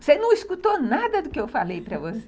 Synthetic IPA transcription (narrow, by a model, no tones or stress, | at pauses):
senɐ̃w̃iskut̪onad̪ɐd̪ʊkɪewfalejpɾɐvose